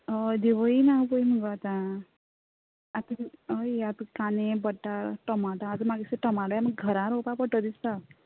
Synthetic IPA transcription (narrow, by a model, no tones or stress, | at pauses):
əd̪eʋəinapəjməɡat̪a | at̪əəjat̪kanebəʈːaɾʈəmaɽãat̪əmaɡiseʈəmaɽjaməɡɡʱəɾãɾopapəʈəd̪ist̪a